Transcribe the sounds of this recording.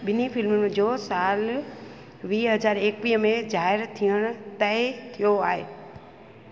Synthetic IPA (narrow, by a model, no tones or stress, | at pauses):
ɓɪnifɪlmʊnd͡ʑosaːl | ʋiːɦɐzaːɾeːkʋiːɦəmẽzaːɦɪɾt̪ʰiəɽ̃ʊ̆t̪ɐɪt̪ʰijoaːɦeː